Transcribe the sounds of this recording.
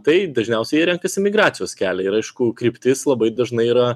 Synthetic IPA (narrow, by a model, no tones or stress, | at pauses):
t̪ɐɪd̪ɐʒʲnʲɛʊsʲɛɪjɛɾʲɛŋkɐsʲɪmʲɪɡɾɑːt̪sʲɪjoːskʲæːlʲɛɪɾɐɪʃkʊkɾʲɪpʲt̪ʲɪslˠɐbɐɪd̪ɐʒnɐɪiːɾɐ